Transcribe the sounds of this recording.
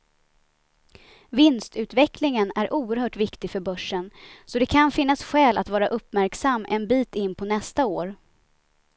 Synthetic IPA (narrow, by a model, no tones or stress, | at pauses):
vɪnst̪ʉ̟ːt̪vɛklɪŋənæɾʔuːəɾhœːʈvɪkt̪ɪfœɾbœʂːənsɔd̪ɛkʰanfɪn̪ːasɧɛːlʔa̰t̪vɑːɾaʔɵpːmæɾksamːɛnbiːt̪ɪnːpʰɔnɛst̪aoːɾ